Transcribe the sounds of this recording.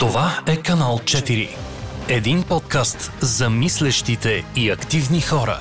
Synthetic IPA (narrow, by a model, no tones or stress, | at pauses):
t̪ovaɛkɐnalˠt͡ʃɛt̪iɾḭ | ɛd̪inpɔt̪kast̪zɐmislɛʃt̪it̪ɛiɐkt̪ivnixɔɾɐ̰